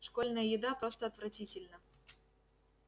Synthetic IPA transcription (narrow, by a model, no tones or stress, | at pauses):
ʂkolʲnəjəjɪd̪apɾost̪əɐt̪vɾɐtʲitʲɪlʲnə